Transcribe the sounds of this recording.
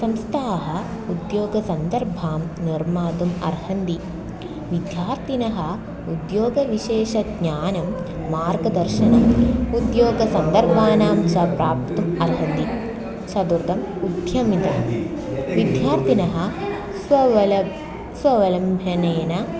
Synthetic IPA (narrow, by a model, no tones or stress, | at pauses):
sɐmst̪ʰaːɐɦɐ̆ | ud̪joːɡɐsɐnd̪ɐɾbʱaːmniɾmaːd̪umɐ̰ɾhɐnd̪i | ʋid̪ʱjaːɾt̪inɐɦɐ̆ | ud̪joːɡɐʋiʃeːʃɐɡɲaːnɐmː | aːɾɡɐd̪ɐɾʃɐnɐmud̪joːɡɐsɐnd̪ɐɾbʱaːnaːmt͡ʃɐpɾaːp̚t̪umɐɾɦɐnd̪i | t͡ʃɐd̪uɾd̪ɐmud̪ʱjɐmit̪ɐmʋid̪ʱjaːɾt̪inɐɦɐ̆ | sʋɐl | sʋɐʋɐlɐmbʱɐneːnɐ